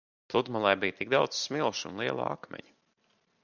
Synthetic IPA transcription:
plˠud̪malˠɛjbijt̪iɡ̚d̪awd̪zssmilˠʃṵnlˠiɛlˠa̰a̰kmʲɛ̰ɲ

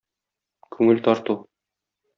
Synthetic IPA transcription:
kʰʉŋɘlt̪ɒɾt̪u

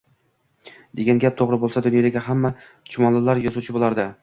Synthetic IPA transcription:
d̪̥e̞ɡʲanɡʲap̚t̪ʰoʁɾɪbolˠsad̪ʊnjɒd̪aɡʲaɦamːa | t͡ʃʰʊmɒnlɪlaɾjɒzuwt͡ʃʰɪbolˠaɾd̪ɪ

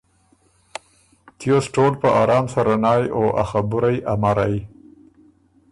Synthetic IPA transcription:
t̪josʈolpəʔɑɾɑːmsaɾanɑjoʔa̰xabʊɾajamaɾaj

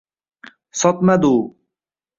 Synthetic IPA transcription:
sɔt̪mɐd̪uː

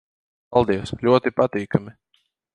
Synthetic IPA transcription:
palˠd̪iɛslʲuɔt̪ipat̪iːkami

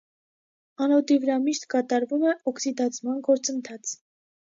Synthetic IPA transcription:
ɑnɔt̪ivəɾɑmiʃt̪kɑt̪ɑɾvumɛɔksid̪ɑt͡sʰmɑnɡɔɾt͡sənt̪ʰɑt͡sʰ

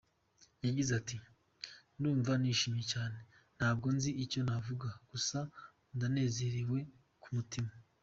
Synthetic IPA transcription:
jaɟizati | nduːɱvaniːʃiːmijecaːne̞ | n̥haːb̚ɡo̞nziico̞navuɡaɡ̥usa | ndane̞ːze̞ɾiwe̞ | kumutima

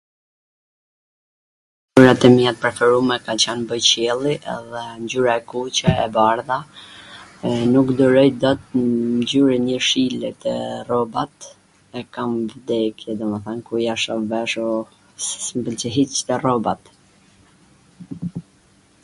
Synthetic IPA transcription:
yɾat̪ɛmiat̪̚pɾɛfɛɾumɛkat͡ɕɛnbəjt͡ɕɛlˠiʔɛ̰ðɛɲɟyɾaɛkut͡ɕɛɛbaɾða | nukd̪ɔɾɔjd̪ɔt̪̚ɲd͡ʑyɾiɲəʃilɛt̪ɛrɔbat̪ | ɛkamvd̪ɛkjɛd̪ɔmɛθankujaʃɔvɛʃɔ | smbəlt͡ʃəɦit͡ʃt̪ɛrɔbat̪

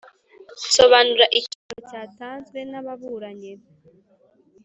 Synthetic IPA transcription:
so̞βanuɾaʔiciɾocaːtaːnzwe̞naβaβuɾaɲe

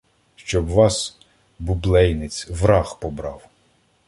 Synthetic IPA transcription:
ʃt͡ʃɔbʋɑs | bublˠɛjnɪt͡sʲʋɾɑxpɔbɾɑ̰w

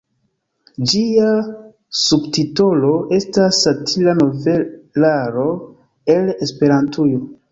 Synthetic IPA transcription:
d͡ʒia | subtito̞lo̞ʔe̞stasatʰilano̞velaɾo̞ | e̞lespe̞ɾantʰujo

